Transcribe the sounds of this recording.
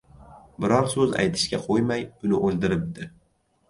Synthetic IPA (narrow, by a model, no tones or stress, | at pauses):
bɪɾɒɾsɵza̰jt̪ʰɪ̥ʃkʲaqʰojmajʊnɪʔolˠd̪ɪɾɪp̚d̪ɪ